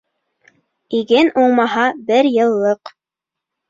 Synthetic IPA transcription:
iɡɘnʔuɴmɑɦɑbɘɾjɤ̆lˠːɤq

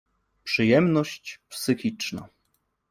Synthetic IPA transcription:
pʂɘjɛmnɔɕt͡ɕpsɘxʲit͡ʂna̰

